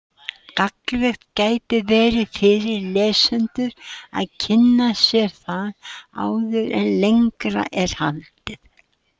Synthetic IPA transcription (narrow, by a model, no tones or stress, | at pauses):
kaklvɛxt̪caːjt̪ɪvɛːɾɪfɪɾɪɾlɛːsʏnt̪ʏɾa̰ðcʰɪnːasjɛɾ̥θaða̰ːwðʏɾɛnlejŋkɾa̰ʔɛɾ̥halt̪ɪθ